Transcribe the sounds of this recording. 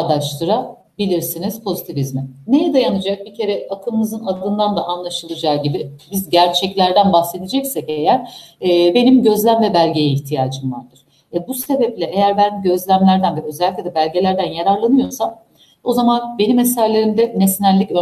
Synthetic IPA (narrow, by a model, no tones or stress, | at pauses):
d̪aʃt̪ɯɾa | bilʲiɾsiniz̥pʰo̞zit̪ʰivizmɛnejɛd̪ajanɯd͡ʒak̚bicʰe̞ɾɛakʰɯlˠmɯzɯnad̪ɯnd̪and̪aʔanlˠaʃɯlˠɯd͡ʒaːɟibɪbizɟæɾt͡ʃʰɛclʲæɾd̪ænbaxse̞d̪ed͡ʒɛcsɛcejæɾ̥be̞nimɟø̞zlʲæmvɛbælʲɟe̞jɛiçt̪ʰijaːd͡ʒɯmlˠaɾd̪ɯɾ̥ | ɛbuse̞bɛplʲɛejæɾbænɟø̞zlʲæmlʲæɾd̪ænvɛø̞zɛlʲːic̚ʲlʲɛd̪ɛbælʲɟe̞lʲæɾd̪ænjaɾaɾlˠanɯjo̞sam | o̞zamanbe̞nimesæɾlʲe̞ɾimd̪ɛnesnæɾlʲːicø